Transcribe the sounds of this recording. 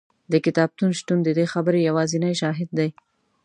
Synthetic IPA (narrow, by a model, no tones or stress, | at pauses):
d̪əkɪt̪ɑb̚t̪unʃʈund̪əd̪exabəɾejawɑzɪnajʃɑɦɪd̪̚ːaj